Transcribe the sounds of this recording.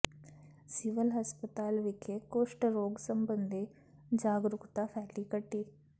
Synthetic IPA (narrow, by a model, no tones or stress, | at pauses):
siʋɐlɦɐspɐt̪aːlʋikekoːʂʈɾoːɡsɐmbɐnd̪e | d͡ʒaːɡɾukt̪afʰaːʈikɐʈːi